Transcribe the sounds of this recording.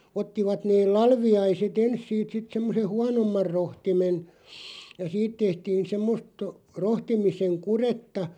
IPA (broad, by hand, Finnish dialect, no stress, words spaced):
otːiʋɑt neːl lɑlʋiɑiset ens siːt sit semːoseh̆ huɑnomːɑr rohtimen jɑ siːt tehtiːn semːost rohtimiseŋ kuretːɑ